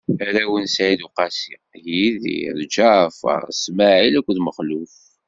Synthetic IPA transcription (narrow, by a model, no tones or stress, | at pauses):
æɾæwənsʕid̪uqɑsi | jið̰ɾd͡ʒafə̰smaʕilækʷːðməχluf